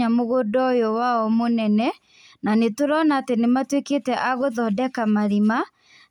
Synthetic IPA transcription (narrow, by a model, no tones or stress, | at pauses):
amoɣodɔjɔwaɔmonɛnɛ | nanetoɾɔnaːtenematweketɛʔaɣoðɔdɛkamaɾima